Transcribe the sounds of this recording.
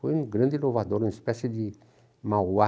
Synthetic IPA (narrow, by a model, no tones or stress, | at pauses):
fojũɡɾɐ̃nd̪ɪlovad̪oɾũispɛsjed̪ɪ | maa